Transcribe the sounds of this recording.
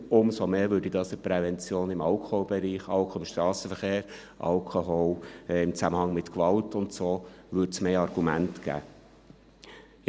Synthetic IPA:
ʊmsomeːvʏːdid̥ɑːsəpɾɛvɛnt͡sjoːnɪmɑlkʰolbɛɾiːχɑlkʰoɪmʃt̪ɾɑːsəfəɾχeːɾ | ʔɑ̰lkʰoɦolɪmt͡sæməhɑŋmɪtkʋɑltʊntsoː | ʋʏtsmeːɑrɡ̥umæntɡ̥æ̰ː

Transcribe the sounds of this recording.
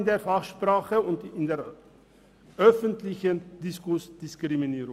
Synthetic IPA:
ndeːɐfaχʃpʁ̥aːχəʊntɪndeːɐ | ʔœfəntlɪçənd̥ɪskʊsd̥ɪskʁ̥iminiːɾʊ

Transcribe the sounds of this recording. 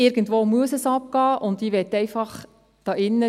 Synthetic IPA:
ɪɾɡ̥n̩tʋoːmuəsəsɑp̚ɡ̥ɑːʔʊndiːʋɛtːɛɪfɑχ | d̥ɑːʔɪnːə

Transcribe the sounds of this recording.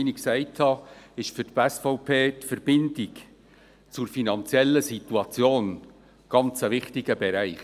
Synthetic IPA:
iniksæɪthɑɪʃfʏɾtpɛsfɔʊpʰeːtfəɾb̥ɪnd̥ɪk | t͡sʊɾfinɑnt͡sjɛlːəsit̪uɑt͡sjoːn | ɡ̥ɑnt͡səvɪχtɪɡ̥əbɛɾæɪχ

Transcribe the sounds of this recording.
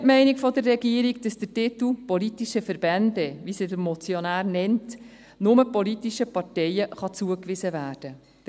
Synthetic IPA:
tmɛɪnikfɔdərːɛɡiəɾiɡd̥ɑsd̪̥ətɪt̪l̩ˠpɔlitiʃəfəɾbɛndɛʋisidəɾmɔt͡sjɔnæːɾnɛnt | nʊməpɔlit̪iʃəpɑtɛɪəχɑt͡suəkʋɪsəvæːrd̥ə

